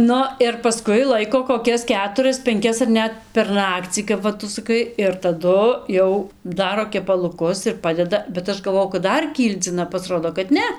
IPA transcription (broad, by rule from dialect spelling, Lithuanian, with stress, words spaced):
ˈnʊ ɪr pɐˈskʊɪ ˈlˠɐɪkoː koːˈkʲɛs ˈkʲæːtʊrɐs pʲɛŋʲˈkʲɛs ɐr ˈnʲɛt pʲɛr ˈnɑːkt͡sʲiː kɐp ˈʋɐ ˈtʊ sɐˈkɐɪ ɪr tɐˈdʊ ˈjɛʊ ˈdɑːroː kʲɛpɐlˠʊˈkʊs ɪr ˈpɑːdʲɛdɐ bʲɛt ˈɐʃ ɡɐlˠˈʋoːjɛʊ kɐt ˈdɐr ˈkʲiːlʲd͡zʲɪnɐ pɐsˈroːdoː kɐt ˈnʲɛ